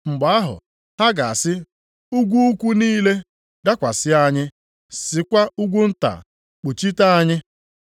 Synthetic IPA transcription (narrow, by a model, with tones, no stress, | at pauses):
ŋ͡m̩˨ɡ͡ba˨a˦ɦʊ̰˨ | ha˦ɡa˨a˨sɪ˦ | u˦ɡʷu˦u˦kʷu˦niː˦le˦ | da˦kʷa˨sɪ˦a˦ɲɪ˦ | sɪ˨kʷa˦u˦ɡʷu˦n̩˦ta̰˨ | k͡pu˨t͡ʃi˦ta˦a˦ɲɪ˦